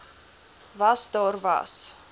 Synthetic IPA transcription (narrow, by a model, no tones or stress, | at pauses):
vɐsdɑːrvɐ̰s